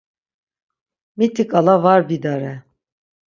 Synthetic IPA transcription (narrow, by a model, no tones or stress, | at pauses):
mit̪ʰikalˠavaɾbid̪aɾɛ